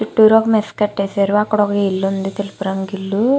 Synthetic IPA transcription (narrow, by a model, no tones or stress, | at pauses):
t͡ʃiʈːuːɾokɐmeskɐʈːeːseɾuɐkːɐɽɔkɐilːund̪it̪elupuɾɐŋɡilːu